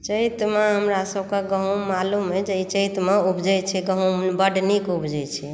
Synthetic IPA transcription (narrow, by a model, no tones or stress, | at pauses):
t͡ʃəjt̪maɦəmɾasəbkeɡəɦũmalumɦed͡ʒeit͡ʃəjt̪maubd͡ʒɛt͡ʃʰɛɡəɦũbəɖnikubd͡ʒɛt͡ʃʰɛ